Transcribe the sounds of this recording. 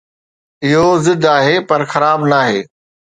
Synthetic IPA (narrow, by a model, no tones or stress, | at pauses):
ɪɦozɪd̪ʱaːɦepɐɾxɐɾaːbnaːɦeː